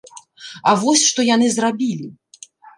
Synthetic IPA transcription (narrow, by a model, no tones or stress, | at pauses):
avɔsʲʂt̪ɔjanɨzrabʲilʲi